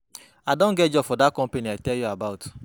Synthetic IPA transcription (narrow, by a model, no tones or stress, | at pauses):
adõn̩ɡed͡ʒɔfɔdat̚kɔ̃m̩peniatɛljuabaʊt